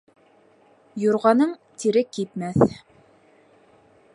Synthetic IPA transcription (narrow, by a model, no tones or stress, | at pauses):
jŏɾʁɑnɤɴt̪iɾɘkip̪mæθ